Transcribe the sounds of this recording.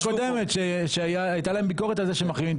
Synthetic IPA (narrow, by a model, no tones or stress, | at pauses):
kod̪emet̪ʃeʃeajt̪alaembiko̞ʁet̪̬alzeʃemaχiim